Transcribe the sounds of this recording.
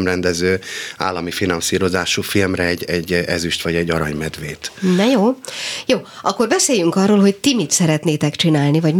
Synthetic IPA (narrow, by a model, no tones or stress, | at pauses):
mrɛnd̪ɛzøːa̰ːlːɒmifinɒnsiːɾo̞zaːʃuːfilmrɛɛɟːɛɟːɛzyʃt̪ʋɒɟɛɟːɒɾɒɲmɛd̪ʋeːt̪nɛjoːjoːʔɒkːo̞rbɛseːjyŋkɒrːoːlɦo̞ct̪imit̪sɛɾɛt̪neːt̪ɛkt͡ʃinaːlnivɒɟ